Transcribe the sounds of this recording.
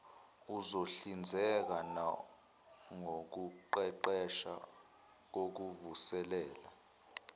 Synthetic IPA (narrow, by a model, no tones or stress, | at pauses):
uzoɬind͡zʱɛk̬ana | ŋok̬uǃɛǃɛʃa̰ | k̬ok̬uvusɛlɛːla